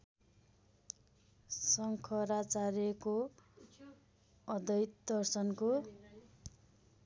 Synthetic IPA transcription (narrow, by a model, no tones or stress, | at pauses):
sʌŋkʰʌrat͡sarjʌko | ʌd̪ʌjt̪d̪ʌrsʌnko